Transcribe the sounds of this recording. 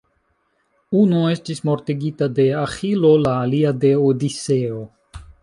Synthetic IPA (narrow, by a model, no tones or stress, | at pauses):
unoe̞stismoɾt̪iɡit̪ad̪e̞axilolaːliad̪e̞od̪iseo